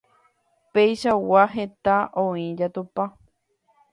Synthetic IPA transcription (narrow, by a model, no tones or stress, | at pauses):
pejʃawaɦe̞t̪aʔõĩd͡ʒat̪upa